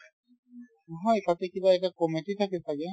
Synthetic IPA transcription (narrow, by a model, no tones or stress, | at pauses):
ɦɔjt̪at̪ekibaɛkakɔmetit̪ʰaket̪ʰake